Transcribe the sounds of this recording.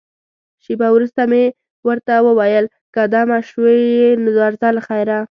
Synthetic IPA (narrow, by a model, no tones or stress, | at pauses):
ʃebawɾust̪ame | wəɾt̪awəwajəl | kad̪ɑmaʃwejenɪzɑɾzalxajɾa